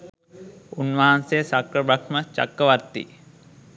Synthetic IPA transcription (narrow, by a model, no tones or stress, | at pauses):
unʋaːansejəsakɾəbakmət͡ʃa̰kːəʋart̪ːḭ